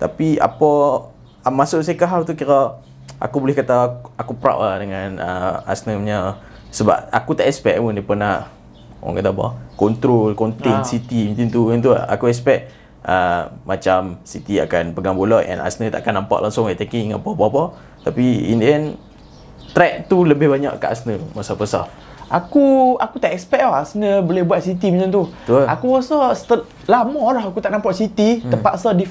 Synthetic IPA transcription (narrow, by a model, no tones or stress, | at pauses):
t̪apia̰pɔ | masʊʔsakaɦawt̪ukiɾɔ | ʔa̰kubolɪhkat̪aakupɾa̰ʔladəŋanəa̰snəɲə | səba̰p̚akut̪aʔɛspɛk̚mənipənah | ɔ̰ŋkat̪abɔ̰kɔnt̪ɾolkɔnt̪ensit̪imĩnt̪int̪uənt̪̬ṵa̰kuɛspɛʔ̚ | əːat͡ʃamsit̪ia̰kanpəɡaŋbolaʔʔɛ̰na̰snət̪a̰ʔa̰kanampa̰ʔlʔaŋsʊŋat̪ekiŋãnpapapɔ | t̪apiḭndiɛn | t̪ɾɛʔ̚t̪uləbɪhbaɲa̰ʔka̰ʔa̰snəmasapəsa̰ | ʔakuakut̪aʔɛkspɛk̚ɔhasnəbolɪhbuat̪̚sit̪imat͡ʃamt̪ut̪uəakubasɔst̪ə | lamɔlaɦakut̪aʔnampaʔsit̪it̪əpaʔsadif